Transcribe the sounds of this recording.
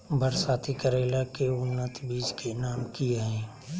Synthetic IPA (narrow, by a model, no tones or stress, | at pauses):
bʱəɾsaːt̪ʰikəɾeːlakeʊnːət̪biːskenaːmkieɦɛ̃ː